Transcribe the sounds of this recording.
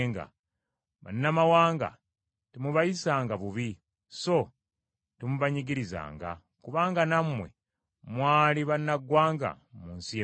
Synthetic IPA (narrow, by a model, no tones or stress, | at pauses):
ŋɡa̰ | βa̰nːamawaːŋɡa̰ | timuβajisaːŋɡaβuβi | so̞ | temuβaɲiɡiɾiza̰ːŋɡa̰ | kuβaːŋɡanamwe̞̰ | mwaːliβanːaɡwaːŋɡa̰ | muːnsi